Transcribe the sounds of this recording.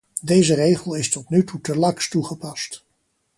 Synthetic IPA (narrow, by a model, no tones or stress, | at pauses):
dejzərejχəlˠɪstɔtnytutəlɑŋstuχəpɑst